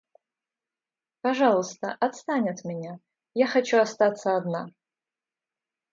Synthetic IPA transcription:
pɐʐalˠəst̪əʔɐt̪st̪anʲət̪mʲɪnʲa | jaxɐt͡ɕuɐst̪at̪sːəɐd̪na

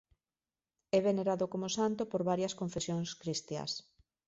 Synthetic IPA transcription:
ɛβeneɾaðokomosant̪opoɾβaɾjɐskõɱfesjoŋskɾist̪ja̰s

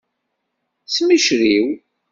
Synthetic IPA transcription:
sməʃɾiw

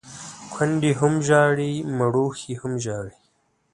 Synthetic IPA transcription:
kʰwɐɳɖiɦəmʒɑːɽimaɽoːxihəmʒɑːɽi̥

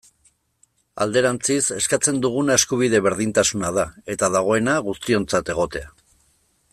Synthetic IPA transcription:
a̰ld̪e̞ɾant͡sise̞skat͡se̞nd̪uɣ̞unae̞skuβ̞iðe̞βe̞ɾðint̪asunað̞ae̞t̪aðaɣ̞o̞e̞naɣust̪io̞nt͡sat̪e̞ɣ̞o̞t̪e̞a

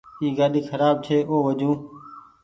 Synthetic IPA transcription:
iːɡaːɗiːkʰəɾaːb̚t͡ʃʰeːʔoːʋəd͡ʒʱũː

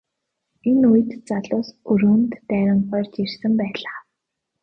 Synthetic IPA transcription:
enujɘ̆t̪t͡saɮʊːsɵɾuːnt̪ːæːɾʲɪ̆ŋχɔrt͡ɕirsɘ̆mpæːɮaː

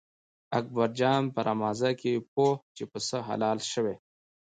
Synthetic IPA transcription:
ɐk̚bɐɾd͡ʒaːnpɐɾʔɐmaːzakepot͡ʃepəsɐɦɐ̰laːlʃɐwe

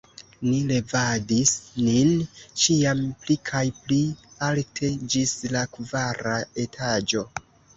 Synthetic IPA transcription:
nile̞vadisnint͡ʃiamplikʰajplialtʰe̞d͡ʒislakvaɾae̞tʰad͡ʒo̞

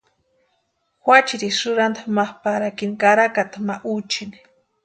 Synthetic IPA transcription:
xwʷat͡ʃiɾiʃʊɾand̪amaχpaɾakinkaɾakat̪amaʔut͡ʃini̥

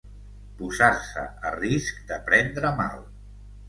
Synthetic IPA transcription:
puzaɾsə̰əriskd̪əpɾɛnd̪ɾəma̰lˠ

